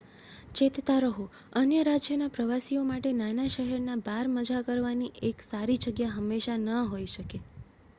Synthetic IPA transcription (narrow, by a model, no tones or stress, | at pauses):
t͡ʃet̪t̪aɾəɦu | ənjəɾad͡ʒjənapɾəʋasiomaʈenanaʃəɦɛɾnabaɾməd͡ʒakəɾʋaniʔeksaɾid͡ʒəɡjaɦəmːeʃanəɦoiʃəke